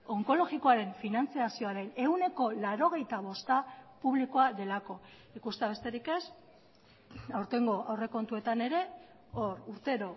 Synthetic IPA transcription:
o̞ŋko̞lo̞ɣiko̞aɾe̞ɱfinant͡siasio̞aɾe̞ne̞wne̞ko̞laɾo̞ɣ̞e̞jt̪aβ̞o̞st̪apuβlikoaðe̞lako̞ | ikust̪eaβ̞e̞st̪e̞ɾike̞s | awɾt̪e̞ŋɡo̞ʔawre̞ko̞nt̪ue̞t̪ane̞ɾe̞ | oruɾt̪e̞ɾo̞

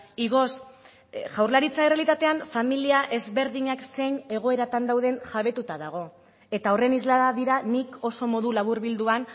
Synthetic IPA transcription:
iɣo̞s | ʝawɾlaɾit͡saerealit̪at̪e̞anfamiliaʔe̞zβe̞ɾðiɲakse̞jɲe̞ɣ̞o̞e̞ɾat̪and̪awðe̞nʝaβ̞e̞t̪ut̪aðaɣ̞o̞ | e̞t̪ao̞re̞nizlaðaðiɾaniko̞so̞mo̞ðulaβ̞uɾβild̪uan

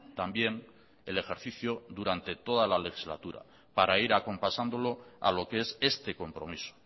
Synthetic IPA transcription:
t̪ambje̞n | e̞le̞xe̞ɾθiθjoðuɾant̪e̞t̪o̞ð̞alale̞xizla̰t̪uɾa̰ | paɾaiɾako̞mpasand̪o̞lo̞a̰lo̞keese̞st̪e̞ko̞mpɾo̞̰miso̥

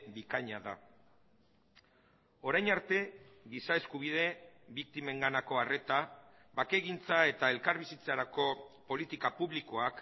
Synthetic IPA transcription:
bikaɲaða̰ | o̞ɾajnaɾt̪e̞ɡisae̞skuβ̞iðe̞bik̚t̪ime̞ŋɡanako̞are̞t̪a | βake̞ɣint͡sae̞t̪ae̞lkaɾβisit͡saɾako̞po̞lit̪ikapuβliko̞ak

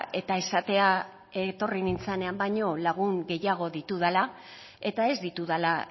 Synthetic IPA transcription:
e̞t̪aesat̪e̞a | e̞t̪o̞rinint͡sane̞ambajɲo̞laɣ̞uŋɡe̞jaɣ̞o̞ðit̪uðala | e̞t̪ae̞zd̪it̪uðala

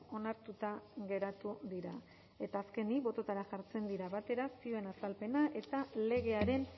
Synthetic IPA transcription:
o̞naɾt̪ut̪aɣe̞ɾat̪uðiɾa | e̞t̪aːske̞nibo̞t̪o̞t̪aɾaʝaɾt͡se̞nd̪iɾaβat̪e̞ɾasioe̞nasalpe̞naʔe̞t̪ale̞ɣ̞e̞aɾe̞n

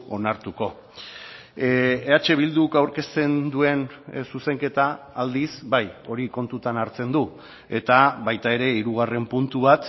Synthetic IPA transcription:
o̞naɾt̪uko̞ | eat͡ʃe̞β̞ild̪ukawɾke̞st̪e̞nd̪ue̞nsuse̞ŋke̞t̪aː | ld̪isbajo̞ɾiko̞nt̪ut̪anaɾt͡se̞nd̪u | e̞t̪aβajt̪ae̞ɾe̞iɾuɣ̞are̞mpunt̪uβat̪

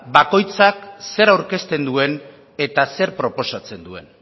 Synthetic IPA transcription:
bako̞jt͡sakse̞ɾawɾke̞st̪e̞nd̪ue̞n | e̞t̪ase̞ɾpɾo̞po̞sat͡se̞nd̪ue̞n

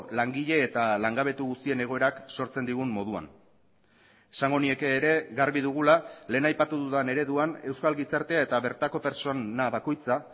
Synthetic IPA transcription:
laŋɡiʎe̞ːt̪alaŋɡaβ̞e̞t̪uɣust̪ie̞ne̞ɣ̞o̞e̞ɾakso̞ɾt͡se̞nd̪iɣ̞ummːo̞ð̞ua̰n | esaŋɡo̞nie̞keːɾe̞ɣaɾβiðuɣ̞ulale̞ːnajpat̪uðuðane̞ɾe̞ðuane̞wskalɣisaɾt̪e̞ae̞t̪aβe̞ɾt̪ako̞pe̞ɾt͡so̞naβako̞jt͡sa

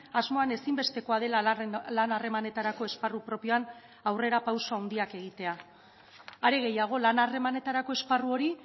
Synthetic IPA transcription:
azmo̞ane̞simbe̞st̪e̞ko̞að̞e̞lalanare̞mane̞t̪aɾako̞e̞sparupɾo̞pio̞an | awre̞ɾapawsoawnd̪iake̞ɣ̞it̪e̞a | aɾeɣe̞jaɣ̞o̞lanare̞mane̞t̪aɾako̞e̞sparuo̞ɾi

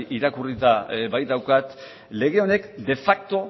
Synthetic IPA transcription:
iɾakurit̪aβaj̪d̪awkat̪ | le̞ɣ̞e̞o̞ne̞kd̪e̞fak̚t̪o̞

